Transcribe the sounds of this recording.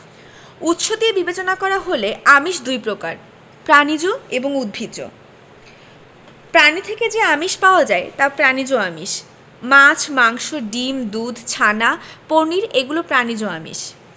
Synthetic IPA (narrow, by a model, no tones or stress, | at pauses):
ut̪ʃot̪iebibet͡ɕonakɔɾaɦoleamiʃd̪ujpɾokaɾ | pɾanid͡ʑoeboŋud̪̚bʱid̪o̰ | pɾanit̪ʰeked͡ʑeamiʃpaoad͡ʑaet̪apɾanid͡ʑoamiʃ | mat͡ɕʰmaŋʃoɖimd̪ud̪ʱt͡ɕʰanapoɾniɾeɡulopɾanid͡ʑoamḭʃ